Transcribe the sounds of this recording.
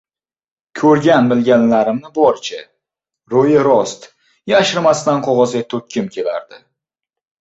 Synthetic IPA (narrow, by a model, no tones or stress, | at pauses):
kʲʰɵɾɡʲanbɪlɡʲanlaɾɪmnɪbɒɾt͡ʃʰa | ɾojɪɾɒst̪ | jaʃɪɾmast̪anqʰɒʁɒzɡʲat̪ʰɵkʲʰːɪmkʲʰe̞la̰ɾd̪ɪ